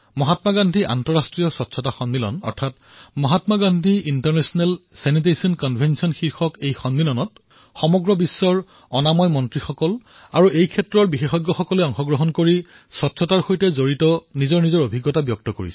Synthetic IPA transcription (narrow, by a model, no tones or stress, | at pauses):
mɔɦatmaɡandʱiʔa̰ntɔɹastɹijɔsɔtːsʰɔtaxɔndilɔ̰nɔ̰ɹtʰat | mɔɦatmaɡandʱiintaɹnɛsɔnɛlsɛnit̬esiɔnkɔnbʱensiɔnxiɹxɔkejxɔndilɔnɔt̚ | xɔmɔɡɹɔbisːɔɹ | ɔnamɔjmɔntɹixɔkɔl | aɹuʔejkʰɛtɹɔɹbixexɔɡːɔxɔkɔlɛɔŋxɔɡɹɔɦɔnkoɹi | sɔtːsʰɔtaɹxojtɛzoɹitɔnizɔɹnizɔɹobʱiɡːɔtabjɔk̚tɔkoɹḭsɛ